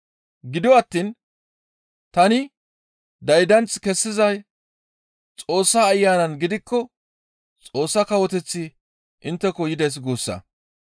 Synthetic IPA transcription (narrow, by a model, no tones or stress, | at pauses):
ɡɪd̪ɔɐt̪ːin | t̪ɐnɪ | d̪ɐjd̪ɐnt͡skɛsːɪzɐj | t͡sʼo̞ːsːaːjːaːnɐnɡɪd̪ɪkːɔ | t͡sʼo̞ːsːɐkɐwɔt̪ɛt͡sːi | ʔɪnt̪ːɛkɔjɪd̪ɐjs̬ɡoːsːɐ̰